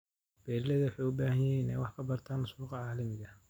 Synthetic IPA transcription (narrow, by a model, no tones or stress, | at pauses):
b̥ɛːɾlɐðɐwħɑjʊbaːhɐɲjɪɦiːnɛːjwɑħkʰɐbɐrt̪ʰaːnʊsuːqɑʕɑːlɪmɪɣɐ